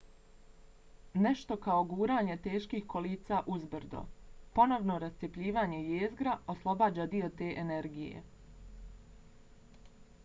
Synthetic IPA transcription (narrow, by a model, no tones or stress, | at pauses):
ne̞ʃt̪o̞kao̞ɡuːɾaːɲe̞t̪e̞ːʃkihko̞liːt̪saːʔuzbɾd̪o̰po̞no̞ʋnoɾast̪sjepʎʲiːʋaːɲe̞jeːzɡɾaoslˠo̞baːd͡ʑaːd̪io̞t̪e̞ːʔeneɾɡijḛ